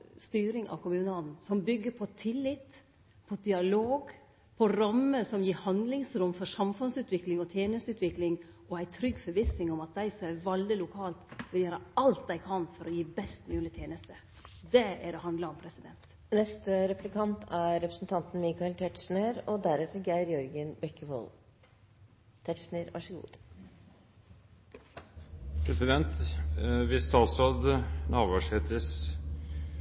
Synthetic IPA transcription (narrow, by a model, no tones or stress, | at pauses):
st̪yːɾɪŋʔɑ̰ʋkʰʊmʉːnɑd̪n̩sɔmbʏɡːəpʰɔt̪ʰɪlːɪt̪ | pʰɔd̪ɪɑloːɡ | pʰɔɾɑmːəsɔmjiːhɑnd̪lɪŋsɾʊmːfɔʂɑmfʉnsʉːt̪ʰʋɪklɪŋɔt̪ʰjeːnəst̪ʉːt̪ʰʋɪklɪŋ | ɔæɪt̪ʰɾʏɡːfɔɾʋɪsnɪŋɔmɑt̪̚d̪æɪsɔmæʋɑld̪ɪlʊkʰɑːlt̪ʋɪljeːɾəɑlt̪̚d̪æɪkʰɑnfɔɾɔjiːbɛst̪nʉːlɪt̪ʰeːnəst̪ə | d̪ɛæɾɔhɑnd̪ləɾɔmpʰɾɛsɪd̪ɛnt̪ | nɛst̪əɾɛplɪkʰɑnt̪ʰæɾɛpɾəsn̩t̪ʰɑnt̪n̩miːkɑɛlt̪ʰɛʈʂn̩eɾɔd̪æɾɛt̪əɡæɪɾjɔɾɡənbɛkːəʋo̰ːl | t̪ʰɛʈʂnəɾʋʔɑ̰ʂəɡṵːd̪̥ | pʰɾɛsɪd̪ɛnt̪ | ʋɪst̪ɑsɑd̪nɑːʋæʂhet̪əs